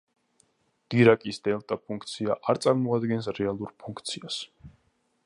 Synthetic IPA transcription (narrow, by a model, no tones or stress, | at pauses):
d̪̥iɾakʼisd̪̥ɛlˠt̪ʼapʰuŋk̚ʰt̪sʰiaʔaɾt̪sʼaɾmɔad̪ɡɛnsɾɛalˠuɾpʰuŋkʰt̪sʰias